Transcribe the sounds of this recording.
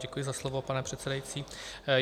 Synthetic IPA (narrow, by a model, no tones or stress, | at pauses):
ɟɛkujɪzaslovo̞panɛpr̝̥ɛt̪t͡sɛdajit͡siː